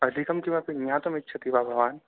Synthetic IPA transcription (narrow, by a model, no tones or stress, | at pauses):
ɐd̪ʱikɐmkimɐ̃pɪjãːt̪ɐmɪtːʃʰɐt̪ibabʱɐʋaːn